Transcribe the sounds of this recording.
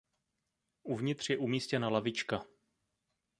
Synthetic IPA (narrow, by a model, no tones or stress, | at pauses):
ʔuvɲɪt̪r̝̥jɛʔumiːscɛnalavɪt͡ʃka